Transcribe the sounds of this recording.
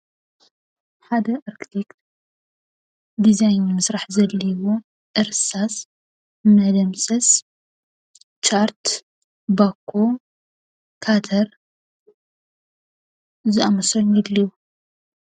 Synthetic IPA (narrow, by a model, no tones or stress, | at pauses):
ħad̪ɐʔaɾkʰit̪ʰekt̪ | d̪izajnmɨsɾaħzɐlːiwo | ʔɨɾsas | mɐd̪ɐmsɐs | t͡ʃaɾt̪ | bakʰːo | kʰat̪ʰɐɾ | zɨʔamɐsonjɛliwu